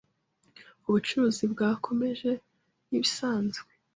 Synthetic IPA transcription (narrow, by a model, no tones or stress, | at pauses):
uβut͡ʃuɾuzibɡaːkʰo̞me̞ʒe̞ | niβisaːnzɡwe